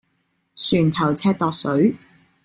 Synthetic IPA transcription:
syː˨˩nt̪ʰɐ˨˩wt͡sʰɛː˧t̚t̪ɔː˨˧k̚sɵ˨˥ɥ

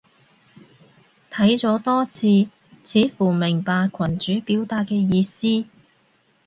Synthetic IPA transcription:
t̪ʰɐ˨˥jt͡sɔː˨˥t̪ɔː˥t͡sʰiː˧ | t͡sʰiː˨˥fuː˨˩mɪ˨˩ŋpaː˧kʷʰɐ˨˩nt͡ʃyː˨˥piː˨˥wt̪aː˧k̚kːɛː˧jiː˧siː˥

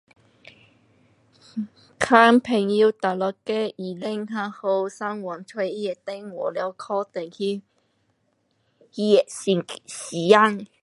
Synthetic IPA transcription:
kʰaː˥mpʰɪ˨˩ŋji˧wt̪a˨˩lɔ˨˩kɛ˧iː˨˩le˧˥ŋɦaː˧˥ho˧wsa˥ŋwɔ˨˩nt̪ʰwe˧ji˦˥jɛ˨˩t̪e˧˥ŋwɔ˨˩lɛ˨˧˦wkʰɔː˧t̪e˨˩ŋhi˧ | hi˧ɛ˨˩˧siː˨˦ja˥ŋ

